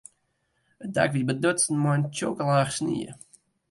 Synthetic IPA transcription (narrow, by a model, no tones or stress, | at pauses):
ət̚da̰kʋibədøtsn̩mɔjənt͡ʃoːkəlˠaːxsnḭə̰